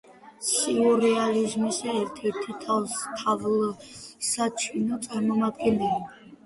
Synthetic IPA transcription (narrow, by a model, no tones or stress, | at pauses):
siɔɾɛalizmisɛɛɾt̪ʰɛɾt̪ʰit̪ʰavst̪ʰavlsat͡ʃʰinɔt̪sʼaɾmɔmad̪ɡɛnɛlia